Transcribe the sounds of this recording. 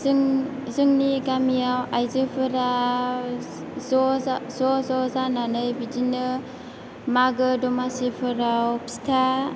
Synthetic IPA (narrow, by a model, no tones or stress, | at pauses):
zŋzɯŋniɡamijawajzɯpʰɯɾa | zɔzzɔzɔzananɯjbid͡ʒinɯ | maɡɯdɔmasepʰɯɾawpi̥stʰa